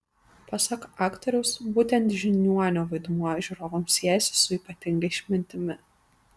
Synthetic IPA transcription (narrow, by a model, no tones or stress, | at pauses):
pɐsɐkɑːkt̪ɔɾʲʊʊsbuːt̪ʲɛnt̪ʒʲɪnʲuɔnʲoːʋɐɪd̪muɔʒʲʊɾoːʋoːmsʲiɛjɛsʲɪ̥sʊiːpɐt̪ʲɪŋɡɐɪʃʲmʲɪnʲt̪ʲɪmʲɪ